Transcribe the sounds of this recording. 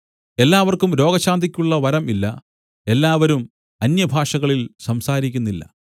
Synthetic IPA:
e̞lːaːʋɐrkumɾo̞ːɡɐɕaːnd̪ikʲːuɭːɐʋɐɾɐmilːɐ̰ | e̞lːaːʋɐɾum | ɐnjɐbʱaːʂɐɣɐɭilsɐmsaːɾikʲːunːilːɐ̰

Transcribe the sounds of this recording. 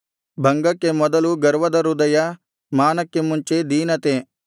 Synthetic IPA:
bʱɐŋɡɐkːemɔd̪ɐluɡɐɾʋɐd̪ɐɾud̪ɐjɐ | maːnɐkːemuɲt͡ʃed̪iːnɐt̪e

